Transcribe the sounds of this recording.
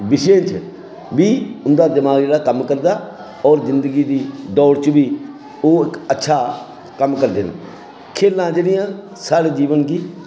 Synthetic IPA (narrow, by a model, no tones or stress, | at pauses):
bɪʃẽːt͡ʃ | biːʊnd̪aːd̪ɪmaːɡeːɽaːkəmkəɾd̪aː | ɔːɾzɪnd̪əɡiːd̪iːd̪ɔːɽt͡ʃʋiː | oːɪkətːʃʰaː | kəmkəɾd̪eːnḛː | kʰeːlːãːd͡ʒeːɽɪjãː | saːɽeːd͡ʒiːʋənɡiː